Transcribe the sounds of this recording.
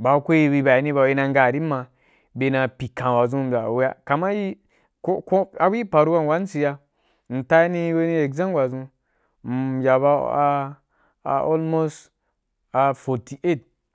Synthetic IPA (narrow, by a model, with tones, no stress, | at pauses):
ba˨˦ko˦i˦bi˧ba˨ni˦ba˧˦ji˦na˧ŋɡa˨ɾi˦mːa˧ | be˧na˧pi˨kã˨wa˨zũ˦m˨a˨we˦ja̰˦ka˨ma˦ji˦ | ko˦ko˦a˦bu˦ji˦pa˨ɾu˦wa˦n˨wa˨˦n˦si˨˧ja˧ | n̩˨ta˦ni˦˧˦we˦ni˦e˨ɡzã˦mwa˨zũ˧˨ | ja˨ba˧a̰˧˨ | o̰˦lmo˦s | a˨fo˨ti˨ʔe˦˨t̚